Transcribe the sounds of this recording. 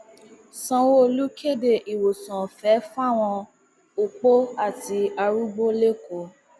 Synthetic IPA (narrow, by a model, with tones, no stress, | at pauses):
sɔ̃˦wo˦o˧lu˦ke˦˨de˦˨ʔi˨wo˨sɔ̃˨fɛ˨˦fa˦˨w̃ɔ̃˧ | o˨k͡po˦a˦˨ti˧a˧ɾu˦ɡ͡bo˦le˦ko˨˦